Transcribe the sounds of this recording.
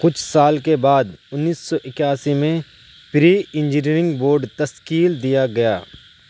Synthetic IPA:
kʊt͡ʃʰsaːlkebaːd̪ʊnːiːsːɔʔɪkjaːsimẽ | pɾiːɪ̃nd͡ʒɪniːɾɪ̃ŋɡboːɾɖt̪ɐskiːld̪ijaɡɐja̰ː

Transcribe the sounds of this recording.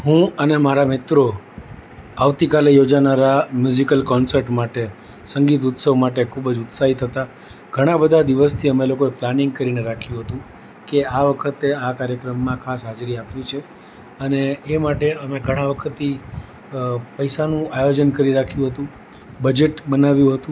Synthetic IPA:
ɦũənemaɾamɪt̪ɾo | aʋt̪ikalejod͡ʒanaɾamjuzikəlkɔnsəɾʈmaʈe | səŋɡit̪̬ʊt̪səʋmaʈekʰubəd͡ʒʊt̪saɦit̪ʰət̪a | ɡ̥ʱəɽ̃abəd̪ʱad̪iʋəst̪ʰiəmelokoeplanɪ̃ŋɡ̚kəɾineɾakʰjũɦət̪ũ | keaʋəkʰət̪eakaɾjəkɾəmːãkʰasɦad͡ʒɾiapʋit͡ʃʰe | əneːmaʈeəmeɡʱəɽ̃aʋəkʰət̪i | pəjsanũajod͡ʒənkəɾiɾakʰjũɦət̪ũ | bəd͡ʒeʈbənaʋjũɦət̪ũ

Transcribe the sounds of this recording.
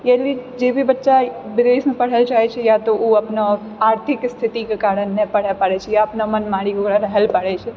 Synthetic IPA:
ɛlid͡ʒebʱibətːʃaʋɪd̪esmẽpəɽ̤əld͡ʒajt͡ʃʰejat̪oʔuapno | aɾt̪ʰɪkst̪ʰɪt̪ikekaɾəɳːepəɽ̤epaɽet͡ʃʰejaːpnamənmaɽiɡoɡɽaɾəɦəlpaɽet͡ʃʰe

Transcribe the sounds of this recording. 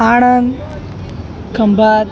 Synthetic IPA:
aːɳɐnd̪ | kɐmbʱaːt̪

